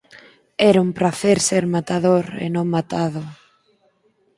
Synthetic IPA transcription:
ɛɾumpɾaθeɾseɾmat̪aðoɾḛnõŋmat̪aðʊ

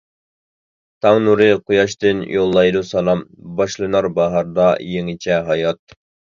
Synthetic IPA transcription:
t̪ʰɑŋnuɾɨqʰojɑʃt̪ɨnjolˠːɑjd̪usɑlˠɑmbɑʃlˠɨnɑɾbɑɦɑɾd̪ɑjeŋɪt͡ʃʰɛɦɑjɑt̪

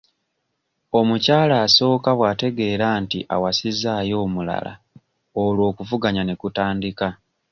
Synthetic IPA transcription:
o̞mucaːlaːso̞ːkaβwaːte̞ɡe̞ːɾaːntiʔa̰wasizaːjo̞ːmula̰la̰ | olwo̞ːkuvuɡaɲane̞kutaːndika

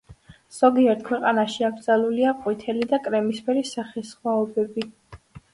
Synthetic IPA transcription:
z̥ɔɡiɛɾt̪̚ʰkʰwɛqʼanaʃiaɡɾd̪zaluliaqʼwit̪ʰɛlid̪akʼɾɛmispʰɛɾisaχɛsχwaɔbɛbi

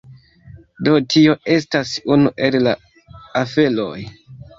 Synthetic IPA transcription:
do̞tio̞ʔe̞stasunuʔe̞lla̰ | afe̞lo̞̰j

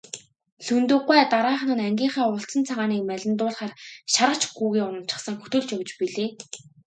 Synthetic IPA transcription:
ɬɵnt̪ɵ̆ːqːæːt̪aɾaːχnə̆næŋɡʲiːɴχæːʊɬt͡sə̆nt͡sʰaʁaːniːk̚mæɮʲɪ̆nt̪ʊːɮχaːrʃaɾə̆t͡ɕɡuːɣeːʊnə̆m̥t͡ɕɪ̥̆χsə̆ŋxɵ̥t̪ɵ̆ɮt͡ɕawt͡ɕpiɮeː

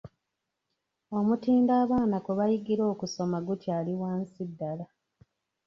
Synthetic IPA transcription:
o̞mutiːndaːβaːnakuβajiɡiɾo̞ːkuso̞maɡutʰjaːliwaːnsidːala

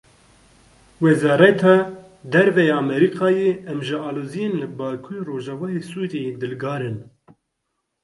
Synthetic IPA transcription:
wɛzɑːɾɛt̪ʰɑː | d̪ɛɾvɛjɑːmɛɾiqɑːjeɛmʒɨɑːloːzijenlɨbɑːkʰuɾiroːʒɑvɑːjesuːɾejed̪ɨlɡɑːɾɨn

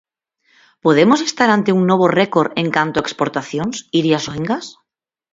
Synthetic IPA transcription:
poðemosest̪aɾant̪euŋnoβ̞orekoɾeŋkant̪oaekspoɾt̪aθjonsiɾjasoeŋɡas

